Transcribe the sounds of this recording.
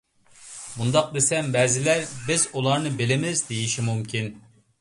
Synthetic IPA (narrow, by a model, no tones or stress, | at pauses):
mund̪ɑq̚d̪esɛmbɛzɪlæɾbɪzulˠɑɾnɨbɪlɪmɪzd̪ejiʃimumkʲʰin